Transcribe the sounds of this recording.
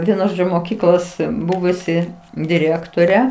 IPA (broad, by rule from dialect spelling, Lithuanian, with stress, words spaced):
ˈʋʲiɛnʊ ˈʒoː moːˈkʲiːklˠoːs ˈbʊʋʊsʲɪ dʲɪˈrʲeːktoːrʲɛ